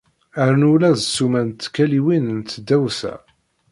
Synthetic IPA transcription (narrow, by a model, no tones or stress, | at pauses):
əɾnulæðsːumænt̪ːkːæliwinnt̪ːd̪ːæwsæ̰